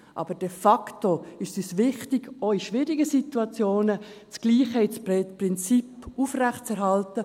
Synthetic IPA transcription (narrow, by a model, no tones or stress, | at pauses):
ʔɑ̰ːb̥əd̥ɛfɑktoɪʃsysvɪχtɪɡoiʃvɪːɾiɡəsituɑt͡sjoːnə | t͡sɡ̥liːχhɛɪsprɪnt͡sipufrɛχtt͡sɛɾɦɑltə